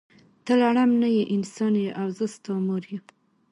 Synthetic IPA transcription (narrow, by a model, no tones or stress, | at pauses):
t̪əlaɽamnajeʔɪnsɑnjeʔawzəst̪ɑmoɾje